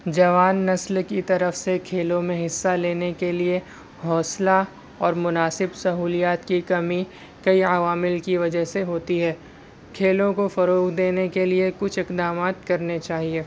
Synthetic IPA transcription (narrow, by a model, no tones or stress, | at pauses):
d͡ʒɐʋaːnːɐslkit̪ɐɾəfsekʰeːlõmẽɦɪsːaleːnekelie | ɦɔːsla | ɔːɾmʊnaːsɪbsɐɦuːlijaːt̪kikɐmi | kɐiɐʋaːmɪlkiʋɐd͡ʒəɦseɦoːt̪iɦɛː | kʰeːlõkofɐɾoːkd̪eːnekeliekʊt͡ʃʰɪqd̪aːmaːt̪̚kɐɾnet͡ʃaːɦieː